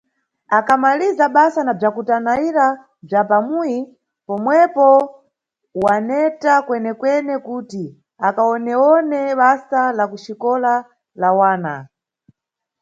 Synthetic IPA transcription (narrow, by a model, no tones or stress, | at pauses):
akʰamalizaɓasanab͡ʐakutanaiɾa | b͡ʐapamuji | pɔmwɛpɔ | wanɛtakwɛnɛkwɛnɛkuti | akaɔnɛɔnɛɓasalakuʃikɔla | lawaːna̰